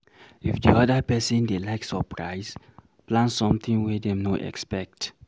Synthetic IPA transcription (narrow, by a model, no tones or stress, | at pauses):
ifdiɔdəpɛsɔ̃ndelaɪksɔpɹaɪs | plãnsɔ̃mt̪ʰĩŋwɛdɛ̃mnoʔɛ̰kspɛk̚t